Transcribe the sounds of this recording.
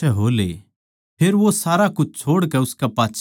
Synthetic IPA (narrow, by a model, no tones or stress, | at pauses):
ɛɦoːlḛ | pʰeːɾʋosaːɾakʊt͡ʃʰt͡ʃʰoːɽkɛʊskɛpãːtːt͡ʃʰ